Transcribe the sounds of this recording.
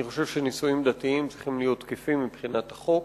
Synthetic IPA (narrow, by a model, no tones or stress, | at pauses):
niχo̞ʃe̞vʃenisujimd̪at̪iimt͡sʁiχimlijo̞t̪kefimːibχinat̪aχo̞k